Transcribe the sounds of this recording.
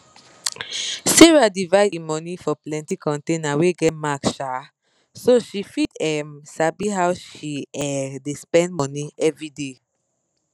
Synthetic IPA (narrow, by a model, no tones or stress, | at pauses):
seɹadivaɪdimɔnifɔplɛ̃ntikɔ̃ntenaweɡɛt̚makʃa | soʃifitɛmsabiɦawʃiɛdespɛ̃nd̚mɔniʔɛvɹide